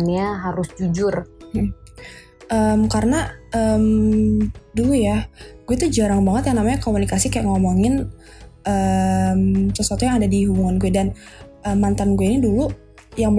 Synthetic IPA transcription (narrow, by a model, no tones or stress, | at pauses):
nɲaɦaɾʊsd͡ʒud͡ʒʊr | ʔəmkaɾənaəm | dujaɡuɛt̪ud͡ʒaɾaŋbaŋət̪jaŋnamaɲakomunikasikajaʔŋomoŋɪn | ʔəmsəsat̪ɔjaŋadadiɦubuŋanɡuɛdan | ʔəmːant̪anɡuɛinidulu | jaŋ